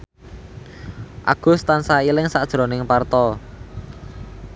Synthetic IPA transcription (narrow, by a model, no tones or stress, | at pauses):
ʔa̰ɡ̥ʊ̤st̪ansailɪŋsad̥ʒ̥ɾo̤nɪŋpart̪ɔ